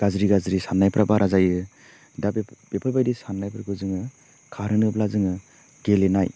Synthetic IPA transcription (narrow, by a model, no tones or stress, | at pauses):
ɡ̥azɾiɡazɾisanːajpɾʔabaɾʔazajɯ | dabb̥epʰajbajdisanːajpʰɾɡɯzɯŋɯ | kʰaɾɯnɯblazɯŋɯ | ɡelenaj